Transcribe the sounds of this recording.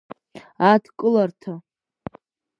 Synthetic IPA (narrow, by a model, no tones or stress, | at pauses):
atʰkʼɨlartʰa